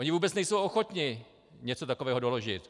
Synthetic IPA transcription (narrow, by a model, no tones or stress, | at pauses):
oɲɪvuːbɛt͡snɛjsowoxo̞t̪ɲɪ | ɲɛt͡so̞t̪ako̞vɛːɦo̞do̞lo̞ʒɪt̪